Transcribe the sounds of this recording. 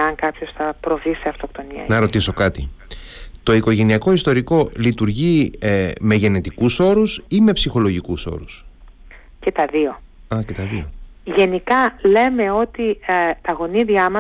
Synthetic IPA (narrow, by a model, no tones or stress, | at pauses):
ɐŋkɐpçosθɐpɾo̞viseɐft̪o̞kt̪o̞niɐ̰nɐɾo̞t̪iso̞kɐt̪i | t̪o̞iko̞ʝe̞niɐko̞ist̪o̞ɾiko̞lit̪uɾʝi | me̞ʝe̞ne̞t̪ikuso̞ɾusime̞psixo̞lo̞ʝikuso̞̰ɾus | ce̞t̪ɐðio̞ | ɐce̞t̪ɐðio̞ʝe̞nikɐle̞me̞o̞t̪it̪ɐɣo̞niðiɐmɐ